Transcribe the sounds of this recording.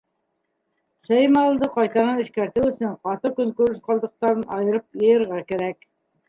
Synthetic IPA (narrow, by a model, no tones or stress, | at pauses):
sæjmɑlˠd̪ɤqɑjt̪ɑnɤnɘ̆ʃkæɾt̪ɘɵ̆sɵɴqɑt̪ɤkɵŋkʉɾɘʃqɑlˠd̪ɤ̆q̚t̪ɑɾɤnʔɑjɤ̆ɾɤp̚jɤ̆jɤ̆ɾʁɑkæɾæk